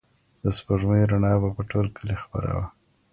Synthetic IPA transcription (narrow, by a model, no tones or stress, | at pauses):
d̪̥əspəʐməjɾaɳɑbapəʈolkʰəlixpa̰ɾa̰wa